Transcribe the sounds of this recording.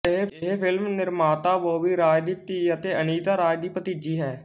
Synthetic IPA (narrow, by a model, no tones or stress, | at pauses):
ɪɦeɦeːpʰɪlmnɪɾmaːt̪aːʋoːʋiːɾaːd͡ʒd̪iːt̪iət̪eːəniːt̪aːɾaːjd̪iːpət̪iːd͡ʒiːɦɛː